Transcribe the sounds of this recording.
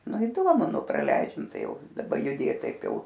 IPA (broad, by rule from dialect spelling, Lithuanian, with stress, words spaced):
ˈnʊ ɪˈdoːmʊ ˈnʊ prɐˈlʲɛɪd͡ʒʲɛm ˈtɐɪ ˈjɛʊ dɐˈbɐ jʊˈdʲeːt ˈtɐɪp ˈjɛʊ